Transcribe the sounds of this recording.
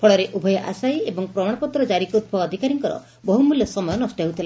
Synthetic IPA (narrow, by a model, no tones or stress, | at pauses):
pʰɔɭɔɾeʔubʱɔjɔʔa̰sajebɔŋpɾɔmaɽ̃ɔpɔt̪ɾɔd͡ʒaɾikud̪̚bʰʱɔːd̪ʱikaɾiŋkɔɾɔ̰ | bɔɦumuljɔsɔmɔjɔnɔsʈjaɦut̪ʰila